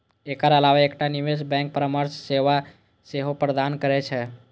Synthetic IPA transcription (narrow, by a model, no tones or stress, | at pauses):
ekəɾəlaʋaekʈaniʋesbɛ̃ŋk̚pɾəməɾsseʋa | seɦopɾəd̪ankəɾɛt͡ʃʰe